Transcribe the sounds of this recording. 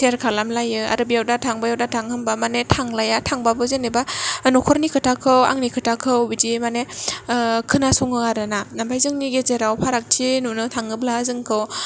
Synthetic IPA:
tʰeɾkʰalamlajɯa̰ɾɯbijawdatʰaŋbajawdatʰaŋhɯmbamanetʰaŋlajatʰaŋbabɯzenibanukʰɔɾnikʰɯtʰakʰɯwa̰ŋnikʰɯtʰakʰɯwbid͡ʒimane | kʰɯnasɔŋɯaɾɯnanabajzɯŋniɡezeɾawpʰaɾak̚tʰinunɯtʰaŋɯblazɯŋkʰɯw

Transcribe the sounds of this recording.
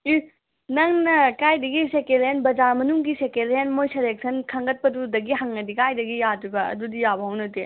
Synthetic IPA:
i | nɐŋnɐkajdɐɡisekelɦenbɐd͡ʒaɾmɐnuŋɡisekelɦenmojseleksʰɐnkʰɐŋɡɐt̚pɐdudɐɡiɦɐŋɐdikajdɐɡijaduɡɐɐ̰dudijabɐɦɐwnɐte

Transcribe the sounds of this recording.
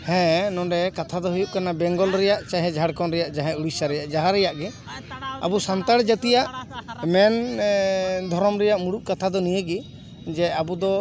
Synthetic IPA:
hɛ̃nɔ̃ɖɛkat̪ʰad̪ɔɦujuʔ̚kanabɛŋɡɔlɾɛjaʔt͡ʃaɦɛ̃d͡ʒʱaɽkɔnɾɛjaʔd͡ʒaɦɛ̃uɽisaɾɛjaʔd͡ʒaɦaɾɛjaʔɡɛ | a̰busant̪aɽd͡ʒat̪ijaʔmɛn | d̪ʱɔɾɔmɾɛjaʔmuɽuʔ̚kat̪ʰad̪ɔnijəɡi | d͡ʒɛabud̪ɔ

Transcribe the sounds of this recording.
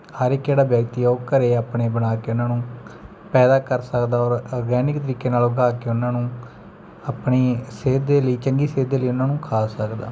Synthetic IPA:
həɾekːeːɽaːbjəkt̪iːoːkəɾeːaːpɳeːbənaːkeːʊnãːnũː | pɛːd̪aːkəɾsəkd̪aːɔːɾɔːɡɛːnɪkt̪əɾiːkeːnaːlʊɡʱaːkeːʊnãːnũː | aːpɳeːseːd̪ːeːləiːt͡ʃəŋɡiːseːd̪ːeːləiːʊnãːnũːkʰaːsəkd̪a̰ː

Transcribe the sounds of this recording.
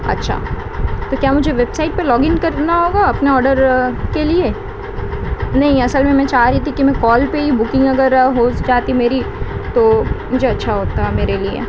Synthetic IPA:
ɐ̰tːʃʰa̰ː | t̪okjaːmʊd͡ʒʱeʋeːbsaːɪʈ̚pelɔːɡɪ̃nkɐɾd̪enaɦoːɡaɐpneɔːɾɖəɾkelie | nɐɦĩɐsəlmẽmɛ̃t͡ʃaɦɾit̪ʰikimɛ̃kɔːlpeɦibʊkɪ̃ŋɡɐɡəɾɦoːsd͡ʒaːt̪imeːɾit̪oːmʊd͡ʒʱeɐtːʃʰaɦoːt̪aɦɛmeːɾeliḛ

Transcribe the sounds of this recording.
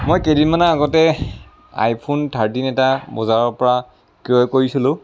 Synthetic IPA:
mojkedimanaaɡɔtɛ | a̰jpʰuntʰaɹtinɛtabɔzaɹɔɹpɔɹa | kiɔɛkoɹisilʊ̃

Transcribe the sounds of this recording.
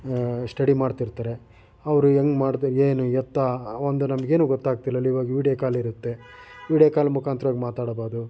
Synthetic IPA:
sʈɐɽimaːɽt̪iɾt̪aːɾe̞ | ɐʋɐɾueŋɡmaːɽt̪ɾeːnuɛt̪ːaond̪unɐmɐɡe̞ːnuːɡɔt̪ːaːɡ̚t̪ilːɐlːɐiʋaːɡɐʋiːɽijɐkaːliɾut̪ːe̞ | ʋiːɽjakaːlɐmukʰaːnt̪ɾɐʋaːɡmaːt̪aːɽbaːɾd̪u

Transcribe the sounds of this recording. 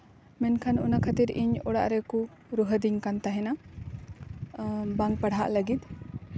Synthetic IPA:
mɛnkʰanṵnakʰət̪iɾiɲɔɽa̰ʔɾɛku | ɾuɦəd̪iɲkant̪aɦɛna | baŋpəɽ̤ɦa̰ʔləɡit̪̚

